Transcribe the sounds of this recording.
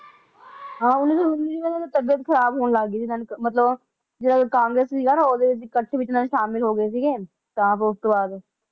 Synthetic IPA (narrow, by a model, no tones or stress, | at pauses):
ɦãːʊnːiːsoːʊnːiːd͡ʒiːʋəaːt̪aːt̪əbjət̪kʰəɾaːbɦoːnlaːɡːiːsiːnanmət̪ləb | d͡ʒeːɽaːkãːŋɡɾeːssiːɡaːnaːoːd̪eːkəʈʰːʋɪt͡ʃnaːnːʃaːmɪlɦoːɡəeːs̬iːɡeː | t̪ãːpʊst̪oːbaːd̪